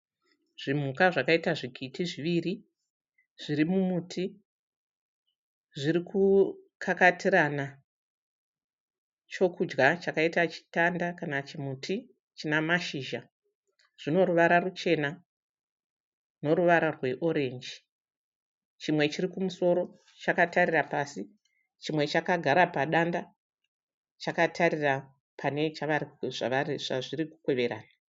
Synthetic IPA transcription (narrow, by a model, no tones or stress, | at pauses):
ʐ̥im̤ukaʐakaitaʐiɡʱitiʐiʋiri | ʐ̥iɾimumutʰi | ʐiɾikukʰakatiɾana | t͡ʃo̞kud͡ʒɡat͡ʃakaitat͡ʃi̥tandakanat͡ʃimutʰi | t͡ʃinamaʃiːʒa | ʐ̥ino̞ɾuʋaɾarut͡ʃe̞na | no̞ɾuʋaɾarwe̞ʔo̞ɾe̞ːnd͡ʒi | t͡ʃimwe̞t͡ʃirikumuso̞ɾo̞ | t͡ʃakatarirapasi | t͡ʃimwe̞t͡ʃakaɡʱaɾapaɗanda | t͡ʃakatʰaɾira | pʰane̞t͡ʃaʋaɾiʐ̥a̰ʋariʐ̥aʐiriku̥kwe̞ʋe̞ɾa̰ːna